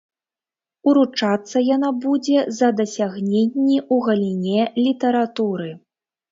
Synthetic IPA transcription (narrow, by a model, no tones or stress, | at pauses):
uɾut͡ʂat̪sːɐjanabud͡zʲɛzɐd̪ɐsʲaɣnʲenʲːiʔuɣɐlʲinʲɛlʲit̪ɐɾat̪uɾɨ